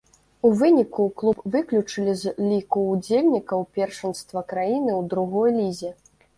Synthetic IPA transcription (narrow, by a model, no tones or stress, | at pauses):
uvɨnʲikuklˠupvɨklʲut͡ʂɨlʲizlʲikuːd͡zʲelʲnʲikɐwpʲɛrʂɐnst̪vɐkɾajinɨwd̪ɾuɣɔjlʲizʲɛ